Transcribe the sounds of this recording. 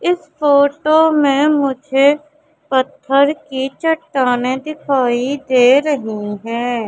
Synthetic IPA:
ɪsfoːʈomẽmʊd͡ʒʱe | pɐt̪ʰːəɾkit͡ʃɐʈːaːned̪ɪkʰaːid̪eːɾɐɦiɦɛ̃ː

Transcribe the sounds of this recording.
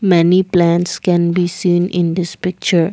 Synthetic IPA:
mɛniplæ̃nskɛ̃nbisĩːnʔɪ̃nd̪ɪspɪk̚t͡ʃəɾ

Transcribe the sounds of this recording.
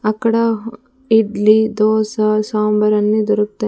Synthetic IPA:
ɐkːɐɽɐ | iɖlid̪ɔːsɐsaːmbɐɾɐnːid̪ɔɾuk̚t̪ːɐ

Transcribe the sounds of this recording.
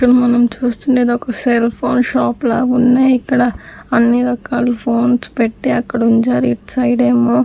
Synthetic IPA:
kɐɽmɐnɐmt͡ʃuːst̪uɳɖeːd̪ɔkɐselpʰoːnʃaːplaːbunːeːikːɐɽɐɐnːiɾɐkaːlɐpʰoːnspeʈːeɐkːɐɽɐuiɲt͡ʃaːɾiʈsɐjɽeːmoː

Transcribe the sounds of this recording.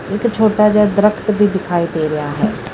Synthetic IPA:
ɪkt͡ʃʰoːʈad͡ʒad̪ɾəkʰt̪bʱiːd̪ɪkʰaːid̪eːɾeɦaɦɛː

